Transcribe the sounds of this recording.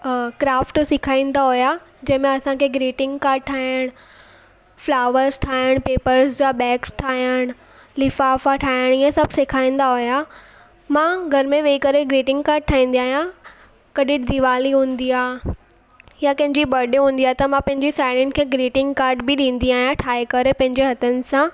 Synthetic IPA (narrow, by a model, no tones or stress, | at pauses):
kɾaːfʈsɪkʰaːĩːn̆d̪aɦʊja | d͡ʑɐ̃ɦɪ̃mẽɐsãkʰeːɡɾiːʈɪ̃ŋɡkaːɾɖ̚ʈʰaːəɽ̃ | flaːʋəɾzʈʰaːjəɽ̃peːpəɾzd͡ʑaɓɛːksʈʰaːijəɽ̃ | lɪfaːfaʈʰaːjəɽ̃iɛ̃sɐbʱsɪkʰaːĩːn̆d̪aɦoja | mãɡʱɐɾmẽʋeːikɐɾeɡɾiːʈɪ̃ŋɡkaːɾɖ̚ʈʰaːĩːn̆d̪iaːɦjã | kɐɗɪɽd̪iʋaːliɦũːnd̪iaː | jakɐ̃ɦɪ̃ɲd͡ʑibɐɖɦũːn̆d̪iaːɦt̪ɐmãpɐ̃ɦɪ̃ɲd͡ʑisaːɪɽɪnkʰeːɡɾiːʈɪ̃ŋɡkaːɾʈbɪɗĩːn̆d̪iaːɦjãʈʰaːekɐɾepɐ̃ɦɪ̃ɲd͡ʑeɦɐt̪ənɪ̆sã